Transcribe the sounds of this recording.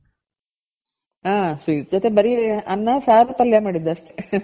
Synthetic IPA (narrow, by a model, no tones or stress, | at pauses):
aːsʋid͡ʒot̪ebɐɾiɐnːasaːɾupɐljamaːɽid̪ːuɐʂʈe